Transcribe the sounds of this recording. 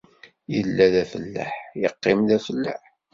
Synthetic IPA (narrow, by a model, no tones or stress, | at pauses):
jəlːæðæfəlːə̰ħjəqːɪmðæfəlːə̰ħ